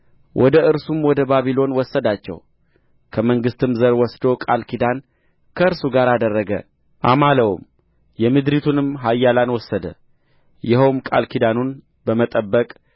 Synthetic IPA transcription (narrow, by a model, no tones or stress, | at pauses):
wʔɔd̪əʔɨɾsumwɔd̪əbaβilo̞nwɔsːəd̪at͡ʃːɛ̰w | kʰəməŋɡɨst̪ɨmzəɾwɔsd̪okʼalkʰid̪an | kʰəɨɾsuɡaɾad̪ərːəɡə̰ | ʔa̰maləw̰m | jɛmɨd̪ɾit̪ʰunɨmɦajːalanwɔsːəd̪ə̰ | jɪɦowmkʼa̰lkid̪anun | bəmət̪ʼəbːəkʼ